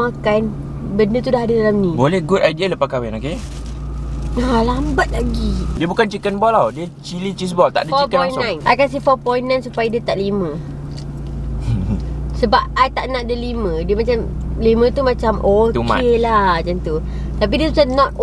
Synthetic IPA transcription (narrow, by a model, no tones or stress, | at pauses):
akan | bəndət̪udaɦadədalamnĩbolɛhɡudadiələpakawɛnoke | alambat̪̚laɡidiəbukant͡ʃikənbɔlawdiət͡ʃilit͡ʃis̬bɔlt̪a̰ʔdəfɔikə̃nnãjnakans̬ifɔpɔjnnːãjnsupajadiət̪aʔlimə̃ | səbap̚ajt̪aʔnaʔdəlimə̃diəmãt͡ʃamlimə̃t̪umãt͡ʃamʔot̪umka̰elad͡ʒant̪u | t̪ap̬idiəsusanɔt̪̚